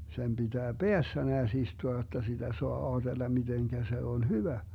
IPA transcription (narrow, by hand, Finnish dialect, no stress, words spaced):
sem b̥id̥æː b̥eæsːæ neæs istuɑ jotːɑ sid̥æ soɑ ɑːd̥elːɑ mid̥eŋɡ̊æ se on hyʋæ